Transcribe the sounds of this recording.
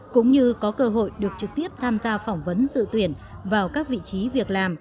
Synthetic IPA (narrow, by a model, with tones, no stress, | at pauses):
kʊ̰˧˥ŋ͡mɲɨ˧kɔ˨˦kəː˧ɦo̰˧˨jɗɨ˨˩ək̚t͡ɕɨ˨˩k̚t̪i˦˥əp̚t̪ʰaː˧mzaː˧fɔ˧˩wŋ͡mvə˨˦nzɨ̰˧˨t̪wi˧˩ən | vaː˨˩wkaː˦˥k̚vḭ˧˨t͡ɕi˨˦vi˨˩ək̚laː˨˩m